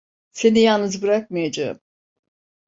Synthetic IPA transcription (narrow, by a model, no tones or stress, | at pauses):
se̞nijalˠnɯzbiɾak̚majad͡ʒaɯ̰m